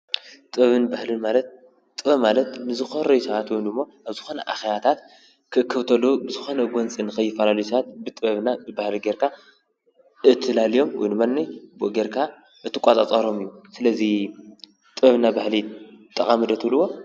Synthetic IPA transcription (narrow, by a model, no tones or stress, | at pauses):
t̪ʼɨɐβɨnbahlɨnmalɐt̪̚ | t̪ʼɨβɐmalɐt̪nɨzɨxoɾɐjusɐβat̪wɔnɨmːo̞ʔaβzɨxo̞nɐʔa̰xeβat̪ʰat̪ | kʰɨʔɨkʰːɨβt̪ʰɐlːubɨzɨxo̞nɐɡʷont͡sʼinɨxʰɐjːɪfɐlalijusɐβat̪̚bɨt̪ʼɨβɐβnabɨbahliɡeɾkʰa | ɨt̪ʰːɨlalijo̞mwɔ̰jnmanːiboɡeɾkʰa | ʔɨt̪ʰːɨkʷʼat̪ʼat͡sʼɐɾo̞mɨjːusɨlɐzi | t̪ʼɨβɐβnabahlit̪ʼːɐkʼamɨd̪ɐt̪ʰlːɨwo̞